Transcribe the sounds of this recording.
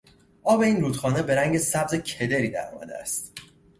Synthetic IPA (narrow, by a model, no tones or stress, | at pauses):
ʔɒːbe̞iːnɾuːt̪xɒːne̞be̞ɾæŋɟe̞sæbzecʰe̞d̪e̞ɾiːd̪æ̰ɾɒ̰ːmæ̰d̪eæ̰st̪